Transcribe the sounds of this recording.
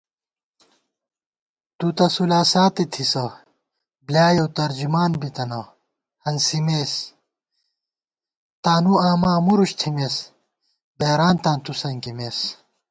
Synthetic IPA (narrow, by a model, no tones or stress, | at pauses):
t̪ut̪ɐsulaːsaːt̪et̪ʰisɐ | bljaːjɐwt̪ɐɾd͡ʑumaːnbit̪ɐnɐ | hɐnsimeːs | t̪aːnuaːmaːmuɾuɕt̪ʰimes | beːɾaːnt̪ãːnt̪usɐŋkimeːs